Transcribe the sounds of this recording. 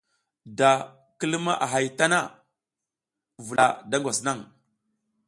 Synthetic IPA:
da˨ | kə˦lma̰˦ʔa˨ɦa˨jta˦na˦ | vu˨la˨da˦ŋɡʷa˨sna˦ŋ

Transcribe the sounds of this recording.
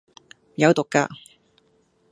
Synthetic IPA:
jɐ˨˧wt̪ʊ˨kːa̰ː˧

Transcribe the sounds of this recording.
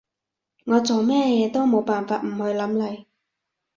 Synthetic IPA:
ŋɔː˨˧t͡so˨wmɛː˥jɛː˨˧t̪o˥wmo˨˧wpaː˨nfaː˧t̚m̩˨˩hɵ˨˧ɥlɐ˨˥mlɐ˨˩j

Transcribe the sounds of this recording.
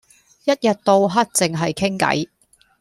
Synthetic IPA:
jɐ˥t̚jɐ˨t̚t̪o˧wɦɐ˥t̚t͡sɪ˨˩ŋɦɐ˨jkʰɪ˥ŋkɐ̰˨˥j

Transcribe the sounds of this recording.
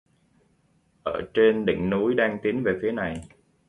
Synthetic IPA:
ʔəː˧˩t͡ɕe˧nɗḭ̈˧˨ŋ̟nu˨˦jɗaː˧ŋt̪i˨˦ənve˨˩fi˨˦əna˨˩j

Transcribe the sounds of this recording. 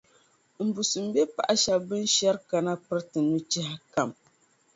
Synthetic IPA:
m̩˨bu˨sɨ˨m̩˨˦be˦pa̰˨ʔa˨ʃa˨bɨ˦nʃɛ˦ɾka˨na˦pɨ˦ɾtɨ˨nu˦t͡ʃɛ˦ha˦ka˨m

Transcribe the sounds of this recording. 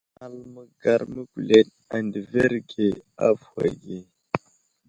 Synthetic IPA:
a˨lmə˨ɡa˨ɾmə˦ɡʷu˨le˨t̚ | a˨ndə˨ve˦ɾɡe˨a˦va̰˨ɡe˨

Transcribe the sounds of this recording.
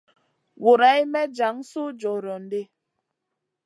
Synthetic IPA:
wo˨ɾa˨˦i˦mɛ˦d͡ʒa˨˦ŋ̩˦so˦d͡ʒɔ˨ɾɔ˨n̩˨˦de˦

